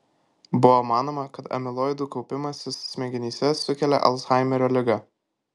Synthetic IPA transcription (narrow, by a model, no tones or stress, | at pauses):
bʊʋomɑːnoːmɐkɐt̪ɐ̰mʲɪlˠɔɪd̪uːˑkɒʊpʲɪmɐsʲɪsːʲmʲɛɡʲɪnʲiːsʲɛsʊkʲɛlʲɛ̰ʔɐ̰lˠsxɑˑɪmʲɛɾʲoːlʲɪɡɐ